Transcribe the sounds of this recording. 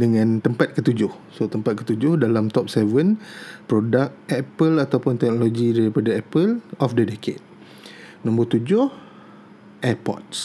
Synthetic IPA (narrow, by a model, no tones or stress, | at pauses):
dəŋãnt̪əmpat̪̚kət̪ud͡ʒʊh | sot̪əmpat̪̚kə̥t̪ud͡ʒʊhdalamt̪ɔp̚sɛvənpɾodak̚ɛpəlat̪awpʊnt̪ɛk̚noloɡidaɾipadaɛpəlɔfdədekʰḛd̚ | nɔ̃mbət̪ud͡ʒʊh | ʔɛpɔ̰t̪̚s